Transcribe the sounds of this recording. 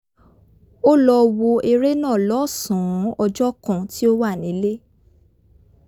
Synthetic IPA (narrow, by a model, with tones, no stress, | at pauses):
o˦lɔ˧wo˧e˧ɾe˦nãː˦˨lɔ˨˦˨sũ˨˦ɔ˧d͡ʒɔ˦kã˨ti˦o˦wa˦˨nĩ˨˦le˦